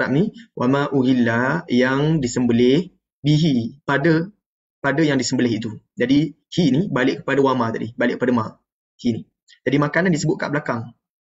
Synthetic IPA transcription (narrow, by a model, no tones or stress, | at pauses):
ɾap̚niwʔamaʔuɦilːajaŋdisəmbəlɪh | biɦipadə | padəjaŋdisəmbəlɪɦit̪u | d͡ʒadi | hinibalɪʔkə̥padawamat̪adibalɪ̰ʔkəpadəma | hini | d͡ʒadimakanandisəbʊt̪̚ka̰ʔbəlakaŋ